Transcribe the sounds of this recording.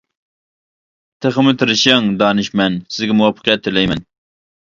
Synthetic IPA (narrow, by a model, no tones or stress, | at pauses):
t̪ʰeχəmɨt̪ʰɾɨʃɑŋd̪ɑːnɪʃmɛnsɪzɡʲɛmuwɑpʰːə̥qjɛt̪ʰːelɛjmɛn